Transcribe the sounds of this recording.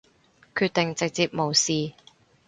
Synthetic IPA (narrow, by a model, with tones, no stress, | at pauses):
kʰyː˧t̪ɪ˨ŋt͡sɪ˨k̚t͡siː˨p̚mo˨˩wsiː˨˧